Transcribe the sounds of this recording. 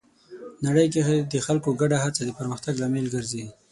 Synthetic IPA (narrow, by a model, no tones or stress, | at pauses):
naɽəjk̬exed̪əxalkoɡaɖaɦat͡sad̪əpəɾməxt̪aɡlamelɡəɾze